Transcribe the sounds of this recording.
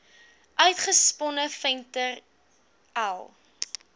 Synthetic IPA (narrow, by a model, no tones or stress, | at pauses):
ʔœɥtχəspɔnəfɛntər | alˠ